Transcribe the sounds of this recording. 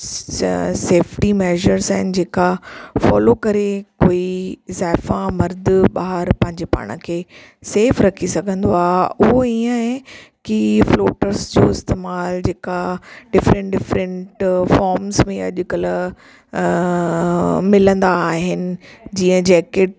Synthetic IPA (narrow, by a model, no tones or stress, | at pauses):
seːfʈimɛːʒəɾzaːɦɪnɪ̆d͡ʑeːkafɔ̰ːlokɐɾekoːizaːɪfãmɐɾd̪ʱɓaːɦəɾpɐ̃ɦɪ̃ɲd͡ʑepa̰ːɽ̃ə̰kʰeː | seːfɾɐkʰisɐɡʱə̃nd̪oaːɦeʊɦoiːə̃kifloːʈəɾsd͡ʑoːɪst̪eːmaːld͡ʑeːkaɖɪfɾə̃ɳʈɖɪfɾə̃ɳʈfɔːɾmzmẽɐʄʊkɐl | mɪlə̃nd̪aːɦɪnɪ̆d͡ʑiːə̃d͡ʑɛːkeʈ̚